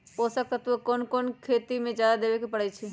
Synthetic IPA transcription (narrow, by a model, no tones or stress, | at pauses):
ɦosək̚t̪at̪ukoːnkoːnkʰeːt̪imẽd͡ʒjaːd̪ad̪eːʋekepɐɽɛt͡ʃʰi